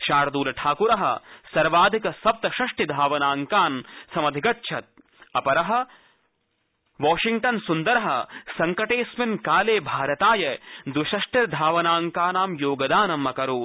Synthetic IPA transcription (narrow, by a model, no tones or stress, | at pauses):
ʃaːɾɐd̪uːlɐʈʰaːkuɾɐɦɐ̰sɐɾʋaːd̪ʱikɐsɐp̚t̪ɐʃɐʂʈid̪ʱaːʋɐnaːŋkaːnsɐmɐd̪ʱikɐtːʃʰɐt̪̚ | ɐpɐɾɐɦɐ̆ | ʋaːʃiŋɡ̚ʈɐnsund̪ɐɾɐɦɐ̰sɐŋkɐʈeːsmɐnkaːleːbʱaːɾɐt̪aːjɐd̪wiʃɐʂʈɐɾd̪ʱaːʋɐnaːŋkaːnaːmjoːɡɐd̪aːnɐmːɐkɐɾuː